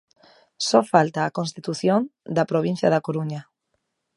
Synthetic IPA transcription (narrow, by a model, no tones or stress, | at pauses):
sɔfalt̪aːkõnst̪it̪uθjond̪ɐpɾoβ̞ĩn̟θjɐðɐkoɾuɲɐ